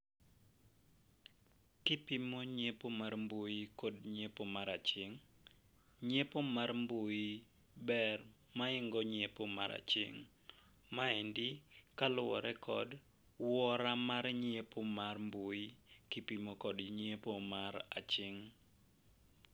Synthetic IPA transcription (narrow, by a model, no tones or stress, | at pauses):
kɪpimoɲepomarmbojikodɲepomaɾat͡ʃɪŋ | ɲepomarmboi | bɛr | maɪŋɡɔɲepomaɾʔa̰t͡ʃɪ̰ŋ | maɛndɪkalɔ̰ɾɛkʰɔd | wɔɾamaɾɲepomarmbuikɪpimokɔdɲepomaɾa̰t͡ʃɪŋ